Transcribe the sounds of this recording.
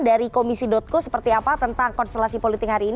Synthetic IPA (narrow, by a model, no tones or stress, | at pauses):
daɾikomisidɔt̪̚kosə̥pərt̪iapat̪ənt̪aŋkɔnst̪əlasipolit̪ɪk̚ɦaɾiːn